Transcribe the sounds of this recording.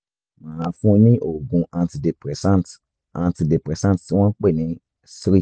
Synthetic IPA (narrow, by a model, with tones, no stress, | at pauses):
mã˦˧fũ˦˧nĩ˦ʔo˦˨ɡũ˧ʔã˨nti˨de˨pɾɛ˨sã˦˨nt | ã˨˧nti˧de˨pɾɛ˨sã˦˨tti˨˦w̃ɔ̃˦k͡pe˦˨nĩ˨˦ | si˦ɾi˦˨